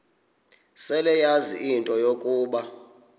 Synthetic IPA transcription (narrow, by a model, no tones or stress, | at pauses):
sɛlɛjazḭʔintʼɔjokʼuːɓa